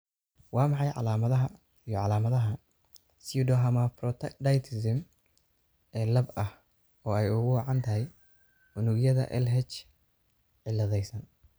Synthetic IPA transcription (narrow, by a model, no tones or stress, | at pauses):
wɑːmɑħɑjʕɑ̰laːmɐðɐɦɐ | ijɔʕɑlaːmɐðɐɦɐ | suɖɔɦɐmɐprɔt̪ʰɐkd̪ɐjt̪ʰɪsɪm | ɛːlɐbɐh | ɔːɛjʊɣʊwɑʕɑnt̪ʰɐɦɛj | ʊnʊɡjɐðɐ̰ʔɛ̰lɦɛt͡ʃ | ʕɪlːɐðɛjsɐn